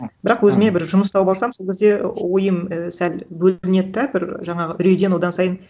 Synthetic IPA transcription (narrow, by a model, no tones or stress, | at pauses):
b̥ɪɾɑqwɵzɪme̞bɪɾʒʊməst̪ɑwbɑlˠsɑmsolˠkʲezd̪e̞wo̞jəməsælbɵlɪne̞t̪ːæbɪɾʒɑɴɑʁəʔʏɾejd̪e̞nwo̞d̪ɑnsɑjən